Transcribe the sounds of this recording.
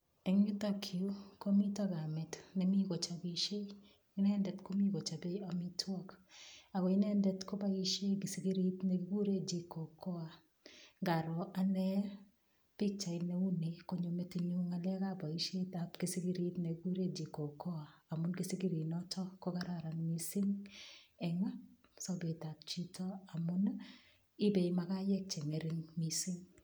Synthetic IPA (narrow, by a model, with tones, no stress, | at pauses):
ɛ˨ŋɲu˦ta˦kʰi˨u˦ko˦mi˦ta˦ɡa˨mɛ˨tnɛ˨mi˦ɡɔ˨t͡ʃa˨bi˨ʃe˦ | i˦nɛ˦ndɛ˨tko˦mi˦ɡɔ˨t͡ʃa˨be˦ja˨mi˦twa˦ka˨kɔ˨i˦nɛ˦ndɛ˨tkɔ˦ba˦i˦ʃe˦ɡi˨si˨ɡi˦ɾi˦tnɛ˨ɡi˦ɡu˦ɾe˦d͡ʒi˨kɔ˨kɔ˦a˨ | ŋɡa˨ɾɔ˨ʔa˦nɛ˦ | pi˦k̚t͡ʃa˨ine˦u˦ne˨kɔ˦ɲo˨me˦ti˨ɲu˦ŋa˨lɛ˦ka˦ba˨i˦ʃe˦ta˨pki˨si˦ki˦ɾi˦tne˨kiku˦ɾe˦d͡ʒi˨ko˨kɔ˦a˨a˨mʊ˦nki˦si˦ki˦ɾi˨nɔ˦tɔ˦kɔ˦ka˦ɾa˨ɾa˨nmi˨si˦ŋ | ɛ˨ŋa˦ | sɔ˦be˨ta˨p̚t͡ʃi˦tʰɔ˦a˨mʊ˦n | ɪ˦bɛ˨imaka˦jɛ˦k̚t͡ʃe˨ŋɛ˨ɾɪŋmi˨si˦ŋ